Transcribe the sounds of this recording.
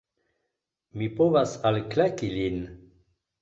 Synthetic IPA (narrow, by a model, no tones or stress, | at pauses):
mipovasalklakilin